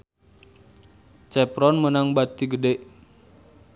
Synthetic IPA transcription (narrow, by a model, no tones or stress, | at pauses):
t͡ʃɛpɾɔnmənaŋbat̪iɡədɛʔ